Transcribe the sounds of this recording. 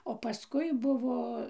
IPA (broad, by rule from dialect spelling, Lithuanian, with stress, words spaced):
oː pɐˈskʊɪ ˈbʊʋoː